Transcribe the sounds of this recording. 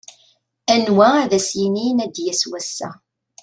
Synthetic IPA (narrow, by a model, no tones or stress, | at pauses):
ænwææðæsjininæd̪jæswæsːæ̰